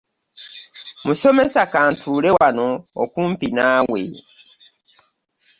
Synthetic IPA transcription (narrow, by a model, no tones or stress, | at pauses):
musomesakan̩tʰuːɾewanɔɔkum̩pinawḛː